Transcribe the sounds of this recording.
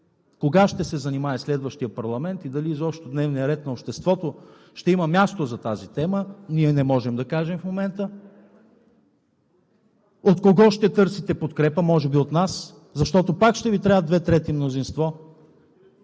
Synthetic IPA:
koɡaʃt̪ɛsɛzɐnimaɛslɛd̪vəʃt̪ijəpɐɾlˠɐmɛnt̪id̪ɐlizɔpʃt̪od̪nɛvnijəɾɛt̪nɐopʃt̪ɛst̪vɔt̪o | ʃt̪ɛiməmʲjast̪ozɐt̪azit̪ɛməniɛnɛmɔʒɛmd̪ɐkaʒɛmfmomɛnt̪ə | ot̪koɡɔʃt̪ɛt̪ɤɾsit̪ɛpot̪kɾɛpəmɔʒɛbiot̪nas | zɐʃt̪ɔt̪opakʃt̪ɛvit̪ɾaəd̪vɛt̪ɾɛt̪imnozinst̪vɔ

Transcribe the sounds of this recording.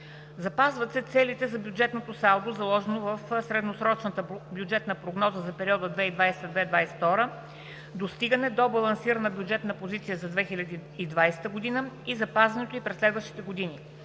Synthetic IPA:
zɐpazvət̪sɛt̪sɛlit̪ɛzɐbjud͡ʒɛt̪not̪osalˠd̪ozɐlˠɔʒɛnovɐfsɾɛd̪nosɾɔt͡ʃnət̪əbjud͡ʒɛt̪nəpɾoɡnɔzəzɐpɛɾiɔd̪əd̪vɛid̪vajsɛ̥t̪d̪vɛid̪vajsɛ̥t̪ɔɾə | d̪ost̪iɡənɛd̪obɐlˠɐnsiɾənəbjud͡ʒɛt̪nəpozit̪sijəzɐd̪vɛxilʲəd̪iːd̪vajsɛ̥t̪əɡod̪inəizɐpazvɐnɛt̪oipɾɛslʲɛd̪vəʃt̪i̥t̪ɛɡod̪ini

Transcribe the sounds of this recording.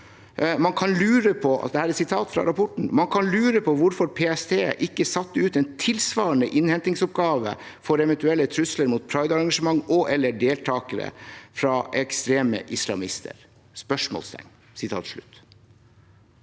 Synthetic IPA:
mɑnkʰɑnlʉːɾəpʰɔɑ̰t̪̚d̪ɛhæːɾɛt̪sɪt̪ʰɑːt̪fɾɑ̰ɾɑpʰɔʈɳ̩mɑnkʰɑnlʉːɾəpʰɔʋʊɾfɔɾpʰeːɛst̪ʰeːʔɪkːəsɑt̪ːəʉːt̪ɛnt̪ʰɪlsʋɑːɾəɳəʔɪnhɛnt̪ɪŋsɔp̚ɡɑːʋə̰ | fɔɾɛʋɛnt̪ʉɛlːət̪ʰɾʉsləɾmuːt̪̚pʰɾɑɪd̪ɑɾɑŋɡɑʂəmɑŋːɔʔɛlːəɖeːlt̪ʰɑːkəɾə̰fɾɑɛkst̪ɾeːmə̰ʔɪslɑ̰mɪst̪ʰə̰ɾ | spœʂmɔ̰lst̪ʰɛ̰ŋ | sɪt̪ʰɑ̰ːt̪ʂɭʉ̰t̪ː

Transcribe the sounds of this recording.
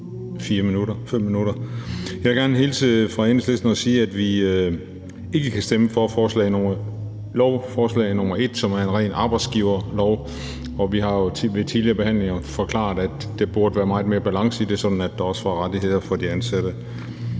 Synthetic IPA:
fiːɐminuɾɐfem̰ːinuɾɐjɑʋeɡ̥æɐnəɦe̝ːlsʰeðˠfʁɑ̈ensle̝sd̥n̩ɒ̽siːæd̥ʋi | e̝ɡ̥əkʰæsd̥eməfɒ̽fɒːslɛ̰ːɪnomɐ | lɒʊfɒːslɛ̰ɪnɔmɐe̝d̥sɒ̽mæɐe̝nʁɛ̰ːnʔɑ̈ːb̥ɑ̈ɪd̥sɡ̥iːʊɐlɒʊ | ɒ̽ʋiɦɑ̈jo̝ʋe̝t͡sʰiðˠliɐb̥e̝hæn̰le̝ŋɐfɒ̽kʰlɑ̰̥̈ːæd̥ːe̝b̥uɐd̥əʋæːɐmɑ̈ɪð̩ˠme̝ːɐb̥ælɑ̈ŋsəid̥e̝sɒ̽d̥n̩æd̥ːɑ̈ɒ̽səʋɑ̈ʁɑd̥iɦe̝ð̞̰ˠɐfɒ̽d̥iænsæd̥ə

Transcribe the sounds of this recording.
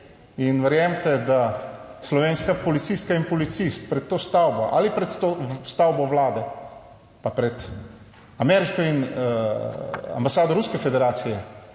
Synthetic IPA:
inʋɛɾjamt̪ɛd̪aslɔʋeːnskapɔlit̪sist̪̚kainpɔlit̪sist̪̚pɾɛt̪ːoːst̪awbɔʔa̰lipɾɛt̪t̪ost̪awbɔwlaːd̪ɛ | papɾɛt̪ | amɛɾiʃkɔin | a̰mbasaːd̪ɔɾuskɛfɛd̪ɛɾaːt̪sijɛ

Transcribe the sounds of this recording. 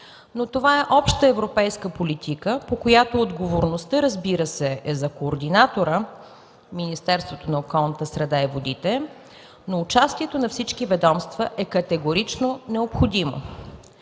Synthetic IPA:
not̪ovaɛʔɔpʃt̪əɛvɾopɛjskəpolit̪ikəpokojat̪oːd̪ɡovoɾnost̪əɾəzbiɾəsɛɛzɐkoːɾd̪inat̪oɾə | minist̪ɛɾst̪vot̪onɐokɔlˠnət̪əsɾɛd̪aivod̪it̪ɛ | noːt͡ʃast̪iɛt̪onɐfsit͡ʃkivɛd̪ɔmst̪vəʔɛkɐt̪ɛɡoɾit͡ʃnonɛopxod̪imo̰

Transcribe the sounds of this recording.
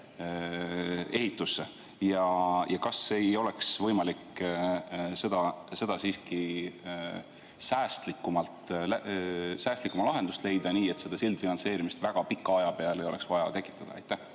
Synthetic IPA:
e̞hit̪ːˑusːe | jɑjɑkɑse̞jo̞le̞ksvɤjmɑlik | se̞d̪ɑse̞d̪̥ɑsiːski | sæːst̪likːˑumɑlt̪ˑlæsæːst̪likːˑumɑlɑɦe̞nd̪ust̪le̞jd̪̥ɑniːe̞t̪se̞d̪̥ɑsild̪̥finɑnse̞ːɾimist̪væɡ̥ɑpikːˑɑɑjɑpe̞ɑlejo̞le̞ksvɑjɑt̪e̞kːˑi̥t̪ːˑɑd̪̥ɑɑ̰jt̪ːˑæh

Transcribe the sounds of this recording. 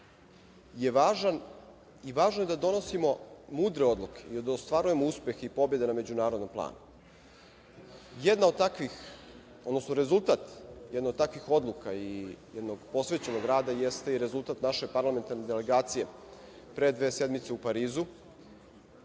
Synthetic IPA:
jeʋaːʒan | iʋaːʒnoje̞d̪ad̪o̞no̞simo̞muːd̪ɾeo̞d̪lˠukʰe̥iod̪ost̪ʋaɾuje̞mouspje̞xeipo̞bje̞d̪e̞name̞d͡ʑunaːɾo̞d̪no̞mplˠa̰ːnu | jed̪naod̪t̪akʋix | od̪nosnoɾe̞zulˠt̪aːt̪jɛd̪naod̪t̪akʋixo̞d̪lˠukaijed̪noɡpo̞sʋet͡ɕe̞noɡɾaːd̪ajest̪eiɾe̞zulˠt̪aːt̪naʃe̞paɾlˠame̞nt̪aɾne̞d̪ele̞ɡaːt̪sije̞ | pɾed̪ʋe̞ːsed̪mit̪seupaɾiːzu

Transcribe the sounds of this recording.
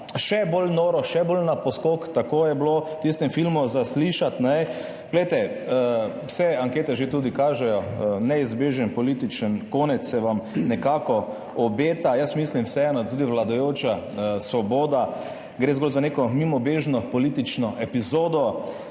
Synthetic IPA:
ʃɛbolnoɾɔʃɛbolnapɔskokt̪akoːjɛblot̪ist̪ɛmfilmuzasliʃat̪nɛ | ɡ̥lejt̪ɛ | wsɛaŋkeːt̪ɛʒet̪uːd̪ikaːʒɛjɔnɛizbeːʒənpɔlit̪it͡ʃənkoːnɛt̪sɛʋamnɛkaːkɔ | ɔbeːt̪ajəsmislimwsɛɛnɔd̪at̪uːd̪iʋlad̪ajoːt͡ʃa | sʋɔboːd̪a | ɡɾeːzɡolzanekɔmimɔbeʒnɔpɔlit̪it͡ʃnɔʔɛpizoːd̪ɔ

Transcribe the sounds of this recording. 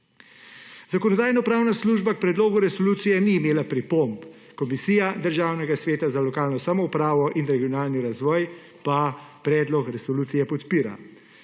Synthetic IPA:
zakɔnɔd̪aːjnɔpɾaːwnasluːʒbak̚pɾɛd̪loːɡuɾɛsɔluːt̪sijɛniːmeːlapɾipomp | kɔmisiːjad̪əɾʒaːwnɛɡasʋeːt̪azalɔkaːlnɔsamɔupɾaːʋɔʔinɾɛɡijɔnaːlniɾazʋɔːj | papɾɛːd̪lɔkɾɛsɔluːt̪sijɛpɔt̪piːɾa̰

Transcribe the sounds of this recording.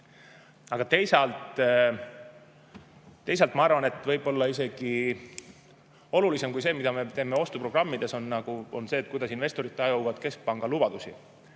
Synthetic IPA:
ɑɡ̥ɑt̪e̞jsɑlt̪ | t̪ːe̞js̬ɑlt̪mɑɑrvɑne̞t̪ːˑvɤjb̥o̞lːɑise̞ɡ̥i | o̞lulise̞mkujse̞ːmid̪̥ɑme̞t̪e̞ːme̞o̞st̪upro̞ɡ̥rɑmːid̪̥e̞so̞nːɑɡ̥uo̞nse̞ːt̪̚kujd̪ɑsinve̞st̪o̞ɾit̪ːˑɑjuvɑd̪̥ke̞sk̚pɑŋɡ̥ɑlub̥ɑd̪̥usḭ

